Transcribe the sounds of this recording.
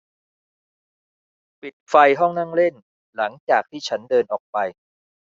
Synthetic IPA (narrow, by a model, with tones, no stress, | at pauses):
pi˨˩t̪̚fa˧jɦɔ˥˩ŋna˥˩ŋle˥˩n | la˩˦ŋt͡ɕaː˨˩k̚t̪ʰiː˥˩t͡ɕʰa˦˥ndɤː˧nʔɔː˨˩k̚pa˧j